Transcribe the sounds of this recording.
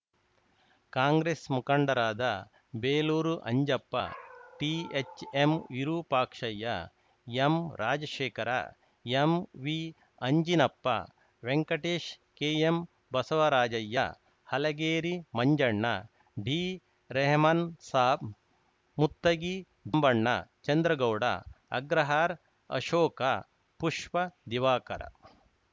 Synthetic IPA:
kaːŋɡɾesmukɐɳɖɐɾaːd̪ɐ | beːluːɾuʔɐɲd͡ʒɐpːɐ̰ʈiet͡ʃemiɾupaːkʂɐjːɐ | jemɾaːd͡ʒɐʃeːkʰɐɾɐ̰ | jemʋi | ɐɲd͡ʒinɐpːɐ̰ | ʋeŋkɐʈeːʃkeːem | bɐsɐʋɐɾaːd͡ʒɐjːɐ̰ | hɐlɐɡeːɾimɐɲd͡ʒɐɳːɐ̰ | ɖʱiː | ɾeɦmɐnsaːb | mut̪ːɐɡi | d̪ʱɐmbɐɳːɐ̰t͡ʃɐnd̪ɾɐɡɐwɽɐ̰ɐ̰ɡɾɐɦaːɾ | ɐ̰ʃoːkɐ | puʂʋɐd̪iʋaːkɐɾɐ̰

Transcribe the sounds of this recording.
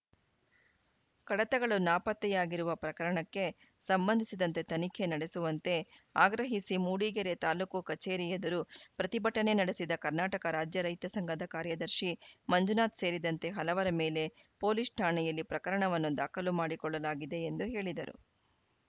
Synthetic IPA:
kɐɽɐt̪ɛɡɐɭunaːpɐt̪ːɛjaːɡiɾuʋɐpɾɐkɐɾɐɳɐkːe̞ | sɐmbɐnd̪ʱisid̪ɐnt̪e̞t̪ɐnikʰe̞nɐɽesuʋɐnt̪e̞aːɡɾɐɦisimuːɽiːɡɐɾet̪aːlukukɐt͡ʃe̞ːɾijɐd̪ɐɾupɾɐt̪ibɐʈːɐnenɐɽesid̪ɐkɐɾnaːʈɐkɐɾaːd͡ʒjɐɾɐjt̪ɐsɐŋɡɐd̪ɐkaːɾjɐd̪ɐɾʃimɐɲd͡ʒunaːt̪se̞ːɾid̪ɐnt̪e̞ɦɐlɐʋɐɾɐme̞ːle̞ | po̞ːlisʈʰaːɳɛjɐlːipɾɐkɐɾɐɳɐʋɐnːud̪aːkɐlumaːɽikɔɭːɐlaːɡid̪e̞ːnd̪uɦe̞ːɭid̪ɐɾṵ

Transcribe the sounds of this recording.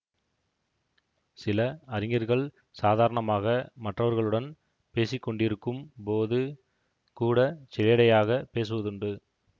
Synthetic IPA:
sɪlɐɐɾɪŋɐɾɣɐɭ | saːðaːɾɐɳɐmaːɣɐmɐʈrɐʋɐɾɣɐɭɯɽɐn | peːsɪkːɔɳɖɪɾɯkːɯmpoːðɯ | kuːɽɐt͡ʃɛlɐjɐɽɐjaːɣɐpeːs̬ɯʋɐðɯɳɖɯ

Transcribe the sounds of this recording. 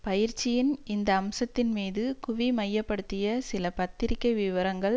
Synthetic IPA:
pɐjɪɾt͡ʃːɪjɪnɪnd̪ɐːmsɐt̪ːɪnmiːðɯkʊʋimɐjːɐpːɐɽɯt̪ːɪjɐsɪlɐpɐt̪ːɪɾɪkːɐɪʋɪʋɐɾɐŋɡɐɭ

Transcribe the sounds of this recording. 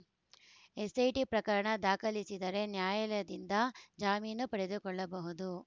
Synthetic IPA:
esɐjʈipɾɐkɐɾɐɳɐd̪aːkɐlisid̪ɐɾe̞njaːjɐlɐd̪ind̪ɐd͡ʒaːmiːnupɐɽe̞d̪ukɔɭːɐbɐɦud̪u

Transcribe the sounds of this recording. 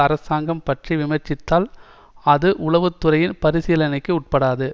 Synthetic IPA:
ɐɾɐsaːŋɡɐmpɐʈriʋɪmɐɾt͡ʃɪt̪ːaːl | ɐðɯʔʊlɐʋɯt̪ːɯrɐjɪnpɐɾɪsijlɐnɐɪkːɯʊʈ̚pɐɽaːðɯ

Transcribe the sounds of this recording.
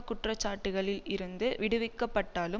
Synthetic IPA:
kʊʈrɐt͡ʃːaːʈːɯɣɐɭɪlɪɾɯnd̪ɯʋɪɽɯʋɪkːɐpːɐʈːaːlɯ

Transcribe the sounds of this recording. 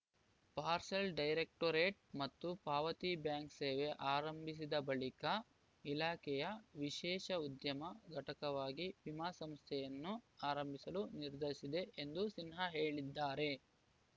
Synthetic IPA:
paːɾsɐlɖɐjɾek̚ʈoɾeːʈ̚mɐt̪ːupaːʋɐt̪ibjaːŋkseːʋeʔaːɾɐmbʱis̬id̪ɐbɐɭikɐ | ilaːkɛjɐʋiʃɛːʃɐud̪jɐmɐɡʱɐʈɐkɐʋaːɡipimaːsɐmst̪ʰɛjɐnːuaːɾɐmbʱisɐluniɾd̪esid̪e̞ʔːnd̪usinɦɐɦe̞ːɭid̪ːaːɾe̞

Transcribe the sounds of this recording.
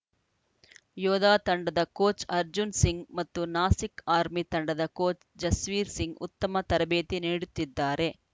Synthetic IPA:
jɔːd̪aːt̪ɐɳɖɐd̪ɐkoːt͡ʃɐɾd͡ʒunsiŋɡmɐt̪ːunaːsikaːɾmit̪ɐɳɖɐd̪ɐkoːt͡ʃ | d͡ʒɐsʋiːɾsiŋɡṵt̪ːɐmɐt̪ɐɾɐbeːt̪iniːɽut̪ːid̪ːaːɾe̞

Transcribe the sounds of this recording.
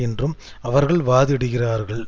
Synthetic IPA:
ɛndrɯm | ɐʋɐɾɣɐɭʋaːðɪɽɯɣɪraːɾɣɐɭ

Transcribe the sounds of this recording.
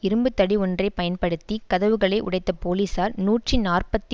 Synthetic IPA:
ɪɾɯmbɯt̪ːɐɽiɔndrɐɪpɐjɐnpɐɽɯt̪ːikɐðɐʋɯɣɐɭɐɪʔʊ̰ɽɐɪt̪ːɐpoːliːsaːɾnuːʈrinaːrpɐt̪ː

